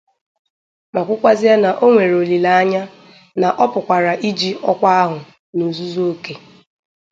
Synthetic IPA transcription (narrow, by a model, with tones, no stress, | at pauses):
ma˨kʷʊ˦kʷa˦zɪ˦a˦na˨ʔo˦ŋʷe˨ɾo˨li˨la˨˦a˦ɲa˦ | na˨ʔɔ˦pʊ˨kʷa˨ɾa˨ʔi˦d͡ʒi˦ɔ˦kʷa˦a˦ɦʊ˨ | nu˨zu˦zo˦ke˨